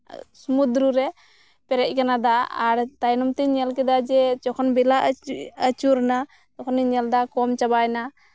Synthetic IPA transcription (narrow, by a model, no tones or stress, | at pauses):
sumud̪ɾuɾɛ | pɛɾɛʔ̚ˀkanad̪aa̰ɾt̪ajnɔmt̪ɛɲɛlkɛd̪ad͡ʒɛt͡ʃɔkʰɔnbɛlaʔət͡ʃuɾna | t̪ɔkʰɔniɲɛld̪akɔmt͡ʃabajna